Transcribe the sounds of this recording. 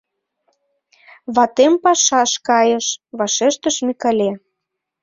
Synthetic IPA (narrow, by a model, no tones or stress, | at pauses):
βɑt̪empɑʃɑʃkɑjə̆ʃβɑʃeʃt̪əʃmʲikɑlʲe